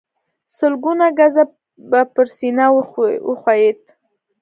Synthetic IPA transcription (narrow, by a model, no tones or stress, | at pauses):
səlɡunaɡaza | bapəɾsinaəxwajet̪̚